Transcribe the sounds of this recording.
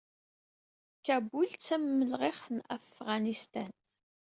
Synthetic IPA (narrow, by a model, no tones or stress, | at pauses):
kæbult͡sːæmːəlʁeχθənæ̰fʁɑnist̪æn